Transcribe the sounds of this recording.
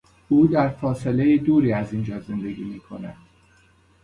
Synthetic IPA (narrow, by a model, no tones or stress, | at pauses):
uːd̪æɾfɒːse̞le̞jed̪uːɾiːæzind͡ʒɒːze̞nd̪e̞ɡʲiːmiːkʰo̞næd̪̥